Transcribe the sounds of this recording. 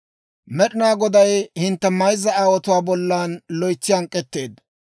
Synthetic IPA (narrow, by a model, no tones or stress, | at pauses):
mɛɗɪnaːɡɔd̪ɐjhɪnt̪ːɛmɐjzːɐaːwɔt̪ʊwaːbɔlːaːnlɔjt͡sːɪjɐŋkʼːɛt̪ːe̞ːd̪